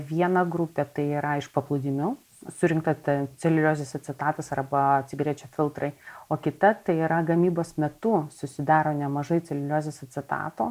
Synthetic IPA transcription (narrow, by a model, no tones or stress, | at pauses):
ʋʲiɛnɐɡɾʊpʲeːt̪ɐɪiːɾɐɪʃpɐplˠʊd̪ʲɪmʲʊ | sʊɾʲɪŋkt̪ɐt̪ɛt͡s̪ʲɛlʲɪlʲoːzʲesɐt̪ʲsʲɛt̪ɑːt̪ɐsɐrbɐɐt̪ʲsʲɪɡɾʲeːt͡ʃʲɛfʲɪlˠt̪ɾɐɪoːkʲɪt̪ɐt̪ɐɪiːɾɐɡɐmʲiːboːsmʲɛt̪ʊsʊsʲɪd̪ɑːɾoːnʲɛmɐʒɐɪt̪t͡s̪ʲɛlʲɪlʲoːzʲesɐt̪ʲsʲɛt̪ɑ̰ːt̪oː